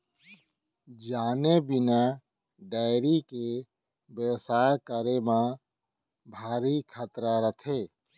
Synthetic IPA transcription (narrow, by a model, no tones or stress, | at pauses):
d͡ʒaːnebɪna | ɖaːɪɾike | bjəwsaːjkəɾemã | bʱaːɾikʰat̪ɾaɾət̪ʰeː